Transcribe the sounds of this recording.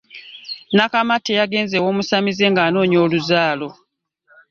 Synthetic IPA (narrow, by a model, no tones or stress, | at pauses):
nakamatːejaɡe̞ːnzewo̞ːmusamize̞ŋɡaːno̞ːɲo̞ːluzaːlo̞